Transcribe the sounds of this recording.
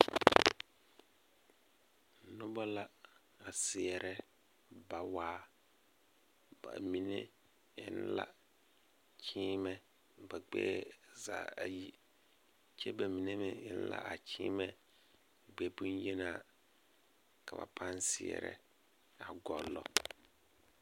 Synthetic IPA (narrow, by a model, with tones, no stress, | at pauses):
nʊ˦bɔ˦la˦ | a˨sɪ˨ɛ˨ɾʔɛ˦ | ba˨waː˦ | ba̰˨mi˨ne˦ | ɪ˦nla̰˦ | t͡ʃʰiː˦mɛ˦ | ba˨ɡ͡bɛ̰ː˦za̰ː˨a˨ji˦ | t͡ʃɛ˦ba˨mi˨ne˦mɪ˦˨ɪ˦n˦la̰˦a˨kʰiː˦mɛ˦ | ɡ͡bɛ˦pu˦nje˦na˨ | ka˨ba̰˨pʰa˦nsɪ˨ɛ̰˨ɾɛ̰˨ | a˨ɡɔ˨lːɔ̰˦